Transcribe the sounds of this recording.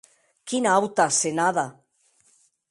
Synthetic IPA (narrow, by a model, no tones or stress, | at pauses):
kinawt̪asenaða